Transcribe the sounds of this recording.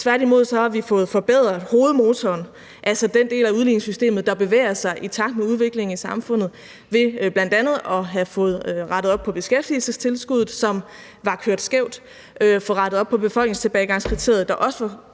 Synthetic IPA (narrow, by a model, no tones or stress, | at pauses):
t͡sʰʋæɐ̰ɾimo̝ð̞̰ˠsɒ̽hɑ̈ʋifɔ̽ːð̩ˠfɒ̽b̥eð̰ˠʁɐho̝ːð̞̩ˠmo̝ːt͡sʰɒːn | ʔælsəd̥end̥e̝̰ːlæuðˠlineŋsysd̥e̝̰ːmð̞̩ˠd̥ɑ̈b̥e̝ʋḛːɐsɑ̈ɪʔit͡sʰɑ̈ɡ̥̚d̥̚meuð̞ˠʋe̝ɡ̥le̝ŋ̩isɑ̈mfɔ̽n̰ð̞̩ˠ | ʋe̝b̥læn̰d̥ænð̩ˠɒ̽ɦæðfɔ̽ːð̩ˠʁɑɾəð̞̩ˠɒ̽b̥pʰɒ̽b̥e̝sɡ̥efd̥ḭl̩səst͡sʰe̝lsɡ̥uð̩ˠsɒ̽m | ʋɑ̈kʰøɐ̰d̥sɡ̥eʊ̰d̥ | øfɒ̽ʁɑ̈ɾ̥əð̩ˠɒ̽b̥̚pʰɒ̽b̥e̝fɒ̽l̰ɡ̥ne̝ŋst͡sʰe̝b̥ɛːɪɡ̥ɑ̈ŋskʰʁit͡sʰe̝̰ɐð̩ˠd̥ɑ̈ʔɒ̽sə̥ʋɑ̈